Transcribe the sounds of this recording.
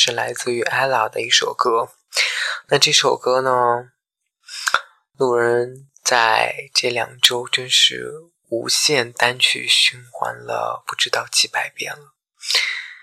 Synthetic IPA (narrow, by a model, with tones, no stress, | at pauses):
ʂɻ̩˥˩la˧˥ɪt͡sɹ̩˥˩y˧˥ʔa˥ɪlɑ˨˥d̪ə˧i˥˩ʂo˨˩ʊkɤ˥ | na˥˧ʈ͡ʂɤ˥˩ʂo˨˩ʊkɤ˥nə˨ | lu˥˩ɻə˧˥n | t͡sa˥˧˩ɪʈ͡ʂɤ˥˩ljɑ̰˨˩ŋʈ͡ʂo˥ʊʈ͡ʂə˥nʂɻ̩˥˩ | ṵ˧˥ɕjɛ˥˩nt̪a˥nt͡ɕʰy̰˥˩ɕy˥nxwa̰˧˥nlə̰˧pu˥˩ʈ͡ʂɻ̩˥t̪ɑ˥˩ʊt͡ɕʰi˥pa˥˩ɪpjɛ̰˥nlə˩